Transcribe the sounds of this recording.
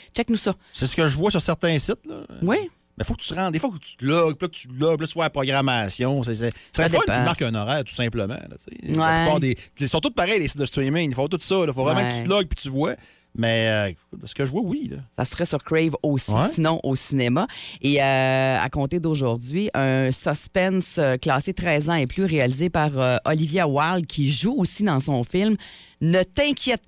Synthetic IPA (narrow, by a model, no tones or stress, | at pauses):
t͡ʃɛknusʌsesə̥kəʒəvwasyʁsɛʁt̪ɛ̃sɪt̪lɔ̰wi | mɛfok̚ə̥t̪yʁɑ̃d̪d̪eːfwakt̪y̥t̪əlɔɡ̚plk̚t͡s̪y̥lɔɡ̚plɔt̪vwaapʁɔɡʁamasjɔ̃s̬esɛsəʁɛɔnt̪itmaʁkɛ̃nɔʁæːʁt̪u̥sɛ̃pləmã̰lɔ̰t͡sḛapypɑːʁd̪elesɔ̃t̪ʊt̪̚paʁɛjleːsɪt̪̚d̪əst̪wimɪŋifɔ̃t̪ʊt̪sɔlɔfovʁɛmãkkt͡sylɔɡ̚pi̥t̪yvwɛ | mɛøkkʊt̪ɛsə̥kəʒvwɛwilɔ̰sa̰sʁɛsyʁkɹɛvosisinɔ̃ʔosinemaeœa̰kɔ̃t̪ed̪oʒʊʁd͡zɥiʔœ̃sɔspɛnsøklɑːset̪ʁɛːzɑ̃eplyʁealizepaʁøʔɔlivjawald̪̚kʲʰiʒuosid̪ɑ̃sɔ̃fɪlm | nət̪ɛ̃kʲʰjɛt̪̚